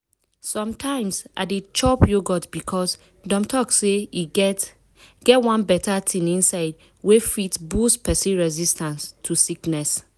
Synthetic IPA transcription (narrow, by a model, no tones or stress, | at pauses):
sɔ̃mtʰãɪ̃msʔa̰det͡ʃɔpjoɡɔtbikʰɔs | dɔ̃mtʰɔkseiɛ | ɡ̥ɛtwãnbɛtʰatʰĩnĩnsaɪd̚ | wefitbuspʰɛsĩɹɛzistãnstʰusiknɛs